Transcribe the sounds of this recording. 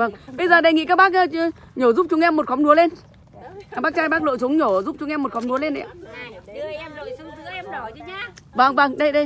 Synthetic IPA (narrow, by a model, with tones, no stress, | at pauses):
və˧˩ŋɓə˧jzəː˨˩ɗə˨˩jŋḭ˧˨kaː˦˥k̚ɓaː˦˥k̚ʔ | ɲɔ˧˩zu˦˥p̚t͡ɕʊ˨˧˦ŋʔɛ˧mːo˨˩t̚xɔ˨˦ŋ͡mnu˨˦əle˧n˨˩ | ɓaː˦˥k̚t͡ɕaː˧jɓaː˦˥k̚lo̰˧˨su˨˦ŋ͡mɲɔ˧˩zu˦˥p̚t͡ɕʊ˨˧˦ŋ͡mʔɛ˧mː˨˩t̚xɔ˨˦ŋ͡mnu˨˦əle˧nʔɛ̰˧˨˧ | və˧˩ŋvə˧˩ŋɗə˧jɗə˧j